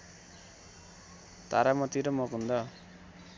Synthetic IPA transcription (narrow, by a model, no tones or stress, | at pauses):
t̪aɾamʌt̪iɾʌmʌkɦund̪ʌ